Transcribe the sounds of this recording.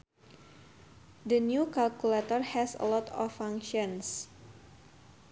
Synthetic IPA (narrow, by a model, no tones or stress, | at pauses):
dənjukalkulat̪ɔrhɛsə̰lɔt̪ɔfãŋkʃɔns